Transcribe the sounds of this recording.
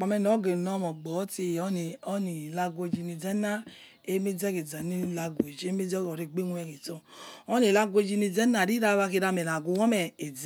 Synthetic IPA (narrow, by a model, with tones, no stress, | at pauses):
k͡pɔ˨mɛ˧˨n˨ɔ˨˦ɡe˨nɔ˦mɔ˨ɡ͡bɔ˨˦te˧˨jɔ˦ni˨ɔ˦ni˨la˧ɡʷo˧d͡ʒi˧ni˨d͡zɛ˦na˦ | e˦me˦d͡zɛ˦ke˨d͡za˨ni˦la˧ɡʷe˨d͡ʒe˦me˦d͡zɡɔ˨ɾe˧˨ɡ͡be˦nwɛ˧˨ki˨tɔ˧ɔ˦ni˨la˧ɡʷo˧˨d͡ʒi˧ni˧d͡zɛ˦na˨ɾi˦ɾa˧˦βa˧ki˧ɾa˧mɛ˨la˨ɡu˨wɔ˦mɛ˨e˨d͡z